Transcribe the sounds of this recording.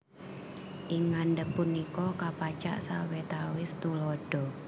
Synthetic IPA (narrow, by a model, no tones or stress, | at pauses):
ʔɪŋːanɖəpːunikɔkapat͡ʃa̰ʔsa̰wet̪awɪst̪ulɔɖ̥ɔ̤